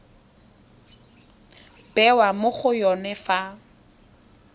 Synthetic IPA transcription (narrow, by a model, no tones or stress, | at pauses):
b̥ɛwamʊχʊjɔnɛfa